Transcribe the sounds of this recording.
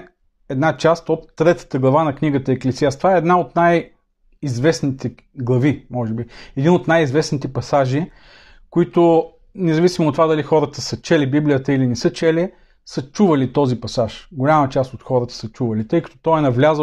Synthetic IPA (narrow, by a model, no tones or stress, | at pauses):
ɛd̪nat͡ʃast̪ot̪ːɾɛt̪ə̥t̪əɡlˠɐvanɐkniɡət̪əɛklɛziast̪vaɛːd̪naot̪naj | izvɛsnit̪ɛ | ɡlˠɐvimɔʒɛbiɛd̪inot̪najizvɛsnit̪ɛpɐsaʒi | koit̪ʊ | nɛzɐvisimoːt̪ːovad̪ɐlixɔɾət̪əsɐt͡ʃɛlibiblijət̪əilinɛsɤt͡ʃɛli | sət͡ʃuvɐlit̪ɔzipɐsaʃɡolʲamət͡ʃast̪ot̪xɔɾət̪ə̥sət͡ʃuvɐəlit̪ɤjkə̥t̪o̥t̪ɔɛnɐvlʲazə